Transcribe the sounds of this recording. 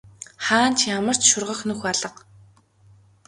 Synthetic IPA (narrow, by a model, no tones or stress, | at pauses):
χaːnt͡ɕʰjamə̆r̥t͡ɕʃʊrʁə̆xnɵxaɮə̆q